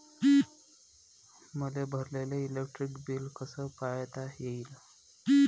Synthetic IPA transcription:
məlebʱəɾleleilekʈɾikbiːlkəsəpajt̪ajeilə

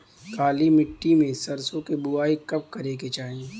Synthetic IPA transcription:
kaːlimɪʈːimẽsɐɾsõkebʊaːikɐp̚kɐɾeːket͡ʃaːɦĩe

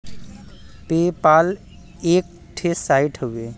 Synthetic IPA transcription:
peːpaːl | eːk̚ | ʈʰesaiʈʰɦəe

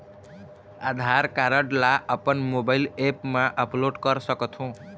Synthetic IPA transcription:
ad̪ʱaɾkaɾəʈlaʔəpənmobailepmãʔəploɖkʌɾsʌkət̪ʰũ

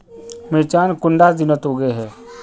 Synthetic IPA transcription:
mɪɾt͡ʃaːnkʊɳɖad̪ɪnət̪ɦoːɡeɦɛː

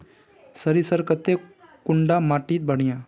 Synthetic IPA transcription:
səɾisəɾkət̪ːekʊɳɖamaːʈiːt̪̚bəɳ̤̃ijãː

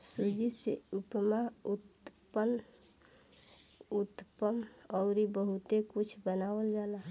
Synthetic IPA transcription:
sud͡ʒisḛupmaut̪pən | ut̪pəmɔʊɾibəɦut̪ekut͡ʃʰbənawəld͡ʒala

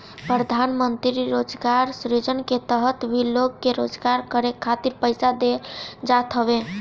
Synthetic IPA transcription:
pɾəd̪ʱanmənt̪ɾiɾod͡ʒɡaɾsɾed͡ʒənket̪əɦət̪bʱiloɡːeɾod͡ʒɡaɾkəɾekʰːat̪iɾpəɪsad̪ed͡ʒat̪ɦəbe

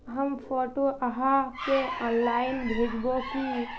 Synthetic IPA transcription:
ɦəmpʰoːʈoʔaɦakeɔːnlaːɪnbʱeːd͡ʒboki

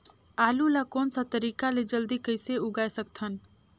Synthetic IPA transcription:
aːlulakoːnsə̃t̪əɾikaled͡ʒəld̪ikəɪseuɡajsək̚t̪ʰən

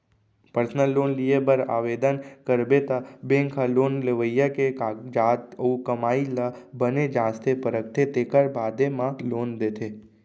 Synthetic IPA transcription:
pəɾsnəlːonliebəɾa̰ʋed̪ənkəɾbet̪abẽŋkʰəlonleʋəjaked͡ʒat̪əukəmailabəned͡ʒãːst̪ʰepəɾək̚t̪ʰet̪ekəɾbad̪emãlond̪et̪ʰe

